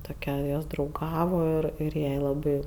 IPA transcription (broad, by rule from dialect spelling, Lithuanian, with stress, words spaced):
toːˈkʲɛ ˈjoːs drɐʊˈɡɑːʋoː ˈɪr ɪr ˈjɛɪ lˠɐˈbɐɪ